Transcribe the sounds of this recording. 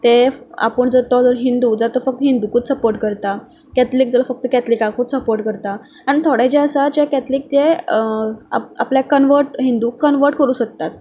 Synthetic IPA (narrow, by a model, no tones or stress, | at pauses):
t̪ea̰pəɳd͡zəɾt̪ɔd͡zəɾɦind̪uːd͡zat̪ɔfək̚t̪əɦind̪ukuːt̪səpoɾʈkəɾt̪a | kɛt̪liːk̚d͡zəlafək̚t̪əkɛt̪likakut͡s̪səpoɾʈkəɾt̪a | aɽ̃it̪ʰoɽat͡ɕeəsad͡ʑekɛt̪liːk̚t̪e | a̰a̰pljakənʋəɾʈɦind̪uːkːənʋəɾʈ̚kəɾuːɕək̚t̪at̪̚